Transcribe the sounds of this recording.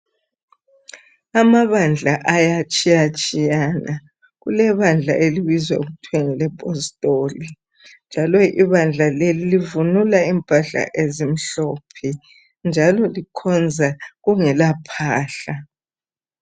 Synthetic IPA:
amaβand͡ɮʱaʔajat͡ʃʼijat͡ʃʼijana | ɣulɛβand͡ɮʱa̰ʔeliβizwa̰uɣutʰwɛŋɛlɛpʼɔstʼoːli | nd͡ʒʱalɔḭβand͡ɮʱalelilivunulaimpʼaɬa̰ʔezim̩ɬɔːpʰɛ | nd͡ʒʱalɔlikʰɔnd͡zʱaɣuŋɛlapʰaːɬa

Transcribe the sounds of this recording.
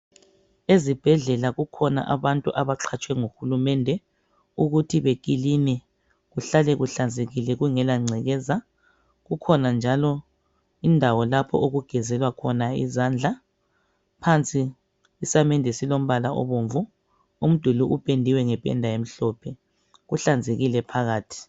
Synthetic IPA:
ezib̥ʱɛɮɛlaɣukʰɔna̰ʔaβantʼuʔaβaǁʰat͡ʃʼwɛŋuxulumɛndʱɛ | uɣutʰiβekʼilinɛ | ɣuɬalɛɣuɬand͡zʱeɣilɛɣuŋɛlaŋ͡ǀʱɛɣɛza | ɣukʰɔnand͡ʒʱalɔ | indʱawɔlapʰɔ̰ʔoɣuɡ̥ʱɛzɛlwakʰɔnaḭzand͡ɮʱa | pʰant͡sʼiː | samɛndʱɛsilom̩βalaʔɔ̰βoɱvu | um̩d̥ʱuluʔupʼendʱiwɛŋɛpʼɛ̰ndʱajem̩ɬɔpʰɛ | ɣuɬand͡zʱeɣilɛpʰaɣaːtʰi̥

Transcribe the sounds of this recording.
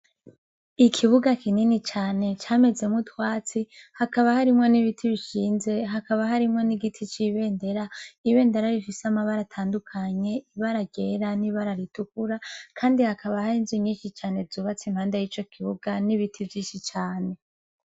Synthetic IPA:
ikʰiβuɡakininit͡ʃaːne̞t͡ʃaːme̞ze̞mŋutwaːt͡sihakaβahaɾimŋo̞niβitʰiβiʃiːnze̞ɦakaβaɦaɾimŋo̞niɡitʰit͡ʃiβe̞ːnde̞ɾaiβe̞ːndeɾaɾifiseamaβaɾatʰaːndukʰaɲe̞iβaɾaɡeːɾaniβaɾaɾitukuɾakʰaːndihakaβahaɾinzuɲiːnʃit͡ʃaːne̞zuːβat͡simhaːndajit͡ʃo̞kʰiβuɡaniβitʰivjiːnʃit͡ʃaːne̞

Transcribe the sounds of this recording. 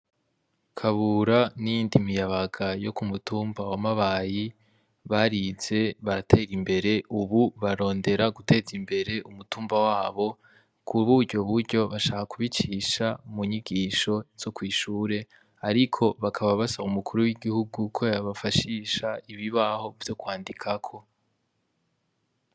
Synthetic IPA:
kʰaβuɾanijiːndimijaβaɡajo̞kumutuːmbawamaβaji | βaɾiz̥e̞βaɾatʰe̞ːɾimbe̞ɾe̞ʔuβuβaɾo̞ːnde̞ɾaɡute̞ːzimbe̞ɾe̞ʔumutuːmbawaːβo̞ | kuβuɾɟo̞βuɾɟo̞βaʃaːhakuβit͡ʃiʃamuɲiɡiːʃo̞z̥o̞kwiːʃuːɾe̞ | aɾikʰo̞βakʰaβaβasaumukʰuɾuwiɡihuɡukʰojaβafaʃiʃaiβiβaho̞vjo̞kwaːndikʰakʰo̞

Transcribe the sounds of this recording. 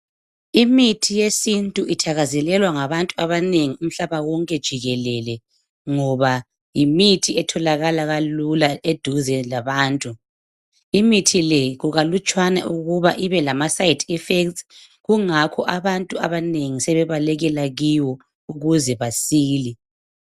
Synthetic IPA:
imitʰijesintʼuʔitʰaɣazɛlɛlwaŋaβantʼuaβaneŋium̩ɬaβawɔŋkʼɛd̥ʒ̥ʱiɣɛlɛlɛ | ŋɔβa | jimitʰiɛtʰɔlaɣalaɣalulaed̥ʱuzɛlaβaːntʼu | imitʰilɛɣuɣalut͡ʃʼwana̰ʔuɣuβaʔiβɛlamasajitʰifekt | ɣuŋakʰɔʔaβantʼuaβaneŋisɛβɛβalɛɣɛlaɣiwɔ | uɣuzɛβasiːli

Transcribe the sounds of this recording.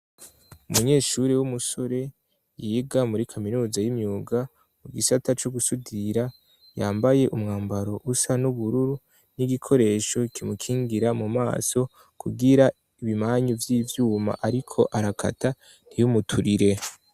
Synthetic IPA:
umuɲe̞ːʃuːɾewumuso̞ɾe̞ | jiːɡamuɾikʰaminuːzajimɲuːɡa | muɡisatat͡ʃoɡusudiɾa | jaːmbaje̞ʔumŋaːmbaɾo̞ʔusanuβuɾuɾu | niɡikʰo̞ɾe̞ːʃo̞kimukʰiːŋɡiɾamuma̰ːso̞ | kʰuɡiɾa | iβimaːɲuvjiːvjuːma̰ʔaɾikʰo̞ʔaɾakʰa̰ta | n̥ijumutʰuɾiɾe̞

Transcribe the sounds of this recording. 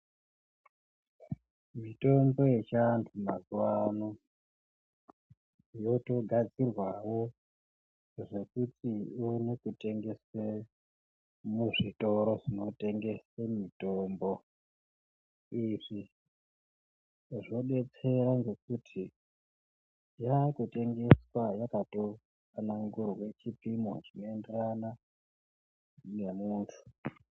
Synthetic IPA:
mito̞mbo̞jet͡ʃantʰumazuwano | jo̞to̞ɡʱad͡zirwawo̞ | ʐe̞kutiunekute̞ŋɡe̞se | muʐito̞ɾo̞ʐino̞te̞ŋɡe̞semitombo | iʐi | ʐo̞ɗe̞t͡se̞ɾaŋɡe̞k̚utʰi | jakute̞ŋɡe̞swajakato | kanaŋɡurwet͡ʃipimo̰ʐino̞enderana | ne̞muːntʰu̥

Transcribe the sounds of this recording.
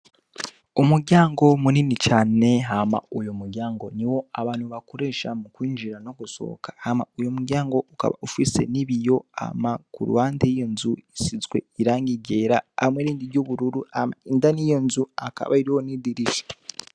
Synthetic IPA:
umuɾɟaːŋɡo̞muninicaːne̞ɦama̰ujomuɾɟaːŋɡo̞niwo̞aβaːnhuβakoɾe̞ːʃamukwiːɲd͡ʒiɾano̞kuso̞̰kʰḁhama̰ujomuɾɟaːŋɡo̞uka̰βa̰ufise̞̰niβijo̞a̰makṵɾṵhaːnteijo̞nzuisizɡwe̞̰iɾaːŋɡiɟe̞ːɾa̰ːmweɾiːndiɾɟoːβuɾuɾuama̰indanijo̞nzuaka̰βaiɾiho̞nidiɾiʃḁ

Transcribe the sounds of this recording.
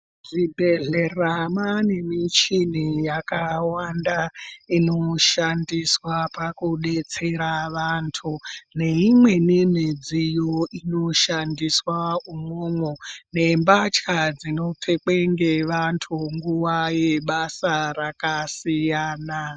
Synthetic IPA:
ʐibʱe̞ɮeramane̞mit͡ʃinijakawandaino̞ʃandiswapakuɗe̞t͡se̞ɾaʋaːntʰune̞imwe̞nem̤ed͡zijoino̞ʃandiswaumoːmwone̞mbat͡ʃkad͡zino̞tʰek͡peŋɡeʋantʰuŋɡuwajeɓasaɾakasijaːna

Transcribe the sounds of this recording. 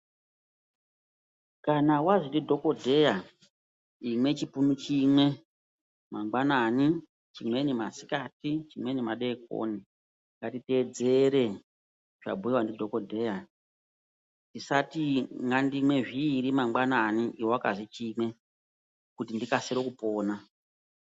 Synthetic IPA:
kanawaʐindidʱo̞ko̞dʱe̞ja | imwe̞t͡ʃipunut͡ʃimwe̞ | maŋɡ͡banani | t͡ʃimwe̞nimasi̥katit͡ʃimwenimaɗek̚o̰ni | ŋɡatite̞d͡ze̞ɾe̞ | ʐ̥a̰bʱuiwandidʱo̞ko̞dʱe̞ːja | ndisatiŋɡandimwe̞ʐiɾimaŋɡ͡bananiiwowakazit͡ʃimwe̞ | kutindikaseɾokupo̞ːna

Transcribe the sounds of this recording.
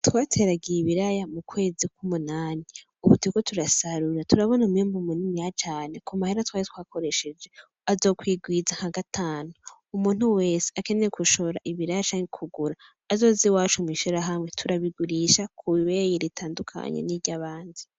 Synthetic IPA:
twaːtʰe̞ɾaɡijiβiɾajamukwe̞ːzikumunaːni | uβutiɡo̞tʰuɾasaɾuɾatuɾaβo̞numiːmbumuninijat͡ʃaːne̞kumahiɾatwaːjetwako̞ɾe̞ʃe̞d͡ʒe̞ | azo̞ːkwiːɡwizaŋ̥aɡatʰaːnu | umuːn̥huwe̞ːse̥ake̞neekuʃo̞ɾaʔiβiɾajat͡ʃaːŋɡekʰuɡuɾaː | zo̞ːziwaːt͡ʃumwiːʃiɾaɦamŋe̞tʰuɾaβiɡuɾiʃakʰuiβejiɾitʰaːndukʰa̰ɲḛniɾɟaβaːndi

